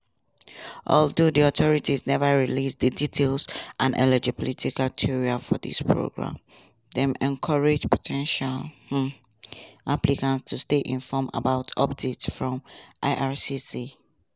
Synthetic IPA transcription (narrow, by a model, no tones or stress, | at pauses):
ʔɔ̰ldudiɔtʰɔɹitiznɛvəɹilisdəditʰelˠsʔãnʔɛ̰lɛd͡ʒipɔlitikaltʰiɹialfɔ̰dḭspʰɹo̰ɡɹã̰m | dɛ̃mɛ̃nkʰaɹed͡ʒpʰɔtʰɛ̃nʃal | aplikãntstʰusteʔḭ̃nfɔma̰baʊtʰɔp̚detsfɹɔ̃mʔaɪʔaɹsisi